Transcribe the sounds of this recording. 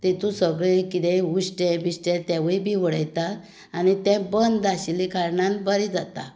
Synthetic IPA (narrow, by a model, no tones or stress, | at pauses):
t̪et̪ũsəɡɭekit̪euɕʈɛbiɕʈɛt̪ɛʋəjbʱiʋəɽəjt̪aː | nit̪ɛ̃bənd̪aɕilikaɾɳãnbəɾid͡zat̪a̰